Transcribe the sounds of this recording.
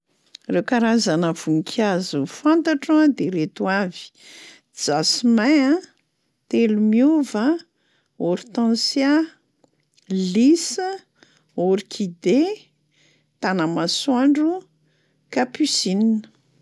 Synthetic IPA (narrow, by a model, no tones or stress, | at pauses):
rewkaɾazanəv̥uŋkʰazufant̪aʈ͡ʂad̪eɾet̪uavi̥ | d͡zasimaã | t̪elumiuvə | oɾit̪ãnsja | lisə | oɾikʰid̪e | t̪anəmasaɳɖ͡ʐu | kapysininə